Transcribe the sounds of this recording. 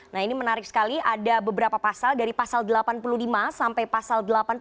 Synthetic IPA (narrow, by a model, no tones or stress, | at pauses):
nahinimənaɾɪk̚sə̥kaliʔadabəbəɾapapasaldaɾipasaldəlapanpululimasampajpasaldəlapan